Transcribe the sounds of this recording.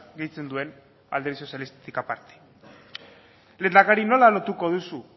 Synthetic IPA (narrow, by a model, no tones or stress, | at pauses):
ɡejt͡se̞nd̪ue̞n | ald̪e̞ɾiso̞sjalist̪et̪ikapaɾt̪e̥ | le̞nd̪akaɾino̞lalo̞t̪uko̞ð̞usu